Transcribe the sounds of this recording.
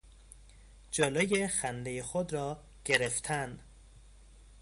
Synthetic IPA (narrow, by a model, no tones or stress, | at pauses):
d͡ʒeloːjexænd̪ejexod̪ɾɒː | ɟ̥eɾeft̪ʰæn